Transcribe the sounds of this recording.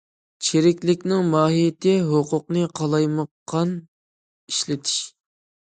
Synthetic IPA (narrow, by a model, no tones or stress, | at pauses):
t͡ʃʰeɾɪkʲlɪkʲnɪŋmɑːɦijt̪ʰɪɦoqʊq̚nɨqʰɑlˠɑjməqːɑn | iʃlɪt̪ʰi̥ʃ